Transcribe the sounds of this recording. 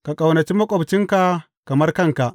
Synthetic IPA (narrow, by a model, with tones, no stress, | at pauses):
ka˨kʼa˨wnɐ˨t͡ʃi˦mɐ˦kʷʼɔ˨bt͡ʃɪ˦ŋka˨ | kɐ˨mɐ˦rkɐ˦˨ŋka˨ʔ